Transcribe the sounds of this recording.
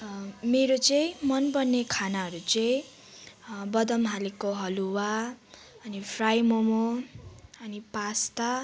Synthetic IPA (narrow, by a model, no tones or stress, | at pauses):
meɾot͡sʌĩmʌnbʌnːekʰanaɦʌɾut͡sʌĩ | bʌd̪ʌmɦalekoɦʌluwa | ʌnipʰrajmomo | ʌnipast̪a